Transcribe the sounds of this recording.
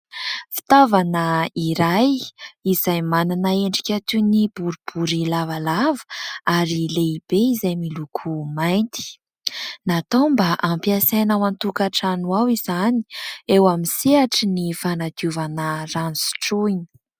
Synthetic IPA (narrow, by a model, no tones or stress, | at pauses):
fi̥t̪avanəiɾajizajmananaeɳɖ͡ʐikʲat̪unib̥uɾub̥uɾilavalavə̥aɾileib̥eizajmilukʰumajnt̪i̥ | nat̪ombaʔampiasajnawant̪ukaʈ͡ʂanuwawizani̥ewamiseaʈ͡ʂinifanat̪iuvanəransi̥ʈ͡ʂuini̥